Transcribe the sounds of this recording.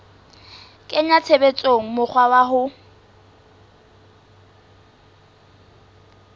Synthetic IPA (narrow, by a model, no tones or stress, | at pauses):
kʼɪɲat͡sʰebet͡sʼoŋ̩mʊk͡xʰwawaɦʊ